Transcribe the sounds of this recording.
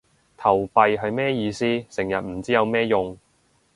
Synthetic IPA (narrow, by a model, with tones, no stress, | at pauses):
t̪ʰɐ˨˩wpɐ˨˧jɦɐ˨˧jmɛː˥jiː˧siː˥sɪ˨˩ŋjɐ˨t̚m̩˨˩t͡siː˥jɐ˨˧wmɛː˥jʊ˨˧ŋ